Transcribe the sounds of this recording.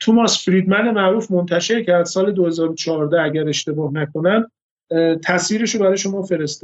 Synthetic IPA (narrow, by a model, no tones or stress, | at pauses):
t̪ʰumɒsfɾiːd̪mænd̪emæʔɾuːfmont̪ʰæʃe̞ɾcʰæɾd̪̥sɒːle̞d̪ohe̞zɒːɾot͡ʃʰɒːɾd̪ææɟæɾe̞ʃt̪e̞bɒːhnækʰo̞næm | t̪ʰæsviːɾeʃobæɾɒːjeʃo̞mɒːfe̞ɾe̞st̪ɔ̥